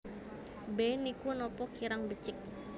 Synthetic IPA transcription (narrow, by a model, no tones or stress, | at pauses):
bɛnikunɔpɔkʰiɾaŋbət͡ʃɪk̚